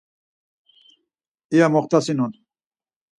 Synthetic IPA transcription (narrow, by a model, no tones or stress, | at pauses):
ijamɔχt̪asinun